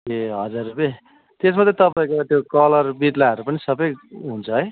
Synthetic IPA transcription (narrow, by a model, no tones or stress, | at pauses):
keɦʌd͡zarrupje | t̪esmʌt̪ret̪ʌpaĩkot̪jokʌlʌrbit̪laʌɾupʌnisʌbʌjɦunt͡sʰʌɦʌj